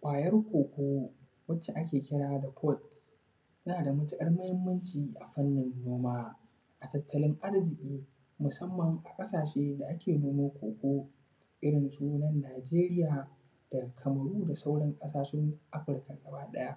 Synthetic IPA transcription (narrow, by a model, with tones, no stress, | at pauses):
kʷʼaː˨jɐ˦rkʷoː˨kʷoː˦ | wɐ˦t͡ʃe˨ʔa˦kʲeː˨kʲɪ˦ɽaː˦da˨pʰɔ˦˨t | sɐ˦naː˨da˨mʊ˦tɪ˦ʔʼɐ˦rmɐ˦hɪ˦mːɐ˦nt͡ʃiː˨ʔa˨ɸɐ˦nːɪ˨nːoː˦maː˦ | ʔa˨tɐ˨tʰːɐ˦lɪ˦ŋʔa˦rzɪ˨kʲʼiː˦ | mʊ˨sɐ˦mːɐ˨ŋʔa˨kʼɐ˦saː˨ʃeː˦da˨ʔa˦kʲeː˨noː˦maː˦kʷo̰ː˨kʷoː˦ | ʔɪ˦ɽɪ˨nsuː˦nɐ˦nːaː˨d͡ʒeː˦ɾɪ˦jaː˨ | d̥ɐ˨kʰɐ˨mɐ˨ɽuː˦da˨sa˦wɽɐ˦ŋkʼɐ˦saː˨ʃɛ˦ŋʔa˦ɸɪ˨ɾka˨ɡɐ˨baː˦ɗɐ˦ja˦ʔ